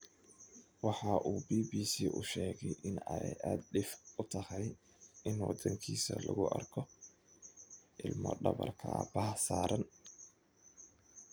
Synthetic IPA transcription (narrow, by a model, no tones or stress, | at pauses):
wɑħɑʔuːbiːbiːsiːʔʊʃɛːɣɛjʔɪnɛjʔaːd̪̚ɖɪfʊt̪ʰɐhɛj | ɪnwɑd̪ɐŋkʰiːsɐ̰lɐɣʊʔɐrkʰɔ | ʔɪlmɔ̰ɖɐβɐ̰rkʰɐbɐːsaːɾɐn